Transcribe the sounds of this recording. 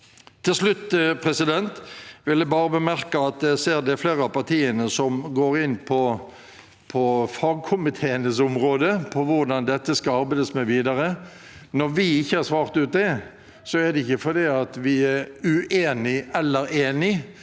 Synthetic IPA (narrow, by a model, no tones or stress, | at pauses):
t̪ʰɪlslʉt̪ːpʰʁɛsɪd̪ɛnt̪ʋɪld̪ɛbɑːɾəbəmæʁkəɑt̪̚d̪ɛseːɾd̪ɛæɾfleːʁəɑpɑʁt̪ʰiːənəsɔmɡoːɾɪnːpʰɔ | pʰɔfɑɡ̚kʰʊmɪt̪ʰeːənəsʊmʁoːd̪əpʰɔʋʊɾd̪ɑnd̪ɛt̪ːəskɑɑɾbæɪd̪əsmɛʋiːd̪ɑɾə | nɔɾʋɪɪçːəhɑɾsʋɑːʁt̪ʉːt̪̚d̪ɛ | sɔæd̪ɛɪçːəfɔɾd̪iːɑt̪ʋɪæɾʉʔeːnɪɛlːəɾeːnɪ